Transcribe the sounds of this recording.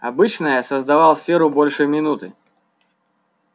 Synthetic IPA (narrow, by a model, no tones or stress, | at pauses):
ɐbɨt͡ɕnəjəsəzd̪ɐvalˠsʲfʲeɾʊbolʲʂɨmʲɪnut̪ɨ